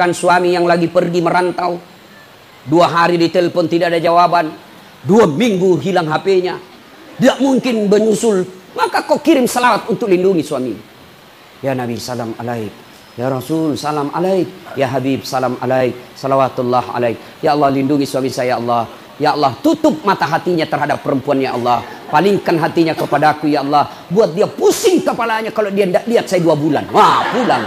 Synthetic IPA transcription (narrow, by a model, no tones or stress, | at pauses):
kansuamijaŋlaɡipərɡiməɾant̪au | duaɦaɾidit̪ɛlpɔnt̪idaʔadad͡ʒawaban | duamiŋɡuɦilaŋɦapeɲa | diaʔmuŋkɪnbəɲusʊl | makakokiɾɪmsalawat̪unt̪ʊk̚linduŋisuami | janabisalama̰laik̚ | jaɾasulsalama̰laik̚jaɦabibsalamʔa̰laik̚salawat̪ulːaha̰lajk̚ | jaɑlːɑhlinduŋisuamisajaɑlːɑh | jaɑlːɑht̪ut̪ʊp̚mat̪aɦat̪iɲat̪ərɦadapːəɾəmpuanjaʔɑlːɑhpaliŋkanɦat̪iɲakəpadakujaɑlːɑh | buat̪̚diapusɪŋkəpalaɲakalodiandaʔliat̪̚sajduabula̰nwapulaŋ